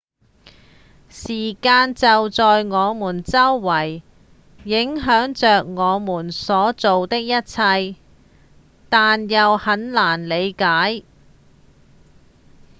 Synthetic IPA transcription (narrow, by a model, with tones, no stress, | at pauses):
siː˨˩kaː˧nt͡sɐ˨wt͡sɔː˨jŋɔː˨˧muː˨˩nt͡sɐ˥wːɐ˨˩jː | ɪ˨˥ŋɦœː˨˥ŋt͡ʃœː˨k̚ŋɔː˨˧muː˨˩nsɔː˨˥t͡so˨wt̪ɪ˥k̚jɐ˥t̚t͡sʰɐ˧j | t̪aː˨njɐ˨whɐ˨˥nlaː˨˩nle˨˧jkaː˨˥j